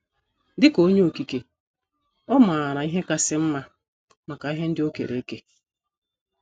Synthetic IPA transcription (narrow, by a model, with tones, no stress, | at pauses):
dɪ˦ko˦ɲe˦o˨ki˨ke˨ | ɔ˦ma˨a˨ɾa˨i˦ɦe˦ka˦sɪ˦m̩˦ma˦ | ma˨ka˨i˦ɦe˦n̩˦dɪ˦o˦kḛ˨ɾḛ˨˦ke˦